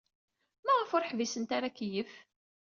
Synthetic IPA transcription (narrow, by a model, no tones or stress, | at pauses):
mæʁəfʊɾħvisənt̪aɾakːjəf